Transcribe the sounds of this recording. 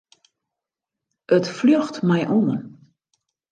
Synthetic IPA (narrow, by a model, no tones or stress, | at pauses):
ʔətfløxtmɛjʔuən